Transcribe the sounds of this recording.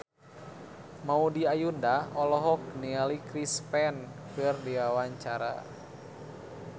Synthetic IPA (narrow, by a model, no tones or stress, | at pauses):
maudiajundaɔlɔɦɔk̚nialikɾispɛnkɨrdiwawaɲt͡ʃaɾa̰